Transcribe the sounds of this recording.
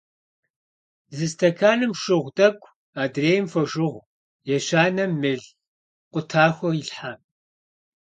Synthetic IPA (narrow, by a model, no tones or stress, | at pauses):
zɨstʰɐkʰaːnɨmʃɨʁʷdɐɡʷʼʰ | aːdreːjmfɐʒɨʁʷ | jɛɕaːnɐmːɨɮ | qʷʼʊtʰaːxʷɔiɬħa